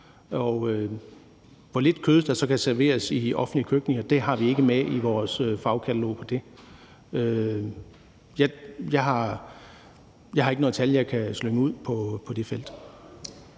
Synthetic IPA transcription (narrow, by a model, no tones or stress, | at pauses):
ɒʊø | ʋɒle̝d̥kʰøðˠd̥ɑsɒ̽kʰæsæɐʋe̝̰ːɐsiɒ̽fn̩liəkʰøɡ̥ne̝ŋɐd̥e̝ɦɑ̈ʋie̝ɡ̥əmeʔiʋɒːsøfɑ̈ʊkʰæt͡sʰælo̝̰ːpʰɒ̽d̥e̝ | ø | jæjɑ̈ɪɦɑ̈ | jɑ̈ɪhɑ̈eɡənoð̩ˠt͡sʰæljɑ̈ɪkʰæsløŋəuð̞̰ˠpʰɒ̽pʰɒ̽d̥e̝fel̰d̥